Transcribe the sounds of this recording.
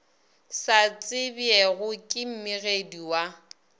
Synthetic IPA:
sat͡sʼɪbjɛɣʊkʼɪm̩mɪɣediwa

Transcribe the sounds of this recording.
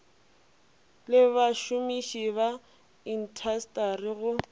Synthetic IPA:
lɪβaʃʊmiʃiβa | in̩tʰastarɪɣʊ

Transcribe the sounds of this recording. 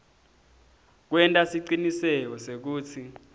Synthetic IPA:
k̬wɛntʼasiǀinisɛk̬ɔsek̬uːt͡sʰi

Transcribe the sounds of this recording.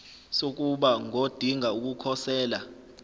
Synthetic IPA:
sok̬ʼuɓaŋod̥ʱiŋauk̬ukʰɔsɛːla

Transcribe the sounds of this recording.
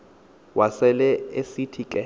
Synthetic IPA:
wʔasɛlɛesitʰikʼɛ

